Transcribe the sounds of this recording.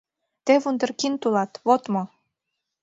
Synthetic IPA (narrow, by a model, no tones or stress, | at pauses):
t̪eβund̪ə̆rkint̪ulɑt̪βot̪mo